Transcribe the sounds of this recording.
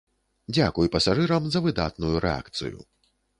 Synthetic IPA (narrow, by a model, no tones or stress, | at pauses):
d͡zʲakujpɐsaʐɨɾɐmzɐvɨd̪a̰t̪nujuɾʔɛ̰a̰kt̪sɨ̰jṵ